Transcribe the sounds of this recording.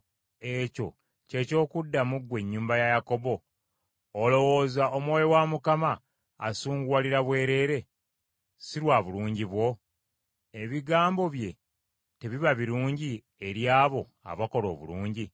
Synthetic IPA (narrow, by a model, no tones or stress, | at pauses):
e̞co̞ | ce̞ːco̞ːkudːamuɡwe̞ɲːuːmbajajako̞bo̞ː | lo̞wo̞ːzaomwoːjowamukama̰ː | suːŋɡwaliɾaβwe̞ːɾe̞ːɾe̞ | siɾwaːβuluːɲɟiβwo̞ | e̞βiɡaːmbo̞βje̞ | te̞βiβaβiɾuːɲɟi | e̞ɾjaːβo̞ | a̰βako̞lo̞̰ːβṵluːɲɟi